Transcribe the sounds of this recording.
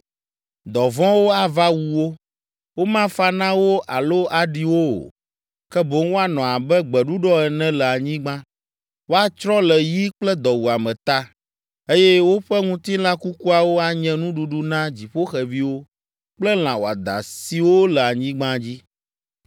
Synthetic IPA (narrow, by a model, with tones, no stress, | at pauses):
d̪ɔ˨vɔ̃˦wo˦a˨va˦wu˦wo˦ | wo˦mã˦fa˦nã˦wo˦ʔa˨lo˦a˨ɖi˦wo˦o̰˨ | kɛ˦bo˦ŋ˦wo˦a˨nɔ̃˨a˨bɛ˦ɡ͡bɛ˨ɖu˦ɖɔ˦ɛ˨nɛ̃˦lɛ˨a˨ɲĩ˦ɡ͡bã˦ | wo˦a˨t͡ʃɾɔ̃˦lɛ˨ji˦k͡plɛ˦d̪ɔ˨wu˨a˨mɛ̃˨t̪a˦ | e˦jɛ˦wo˦ɸɛ˦ŋũ˦t̪i˦l̃ã˦ku˦ku˦a˨wo˦a˦ɲɛ̃˦nũ˦ɖu˨ɖu˦nã˦d͡ʑi˨ɸo˦xɛ˨vi˦wo˦ | k͡plɛ˦l̃ã˨wo˨a̰˨d̪a̰˨si˨wo˦lɛ˨a˨ɲĩ˦ɡ͡bã˦d͡ʑi˦